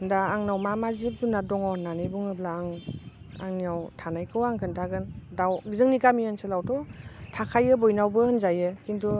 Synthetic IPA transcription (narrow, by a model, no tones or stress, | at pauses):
ɯndaːŋnawmamazip̚zunadɔŋɔnanɯjbuŋɯblaːŋ | a̰ŋniawtʰanajkʰɯwaŋkʰɯntʰaɡɯndawɡizɯŋnikamiansɯlawtɔtʰakʰajɯbɔjnawbɯhɯnzajɯkintu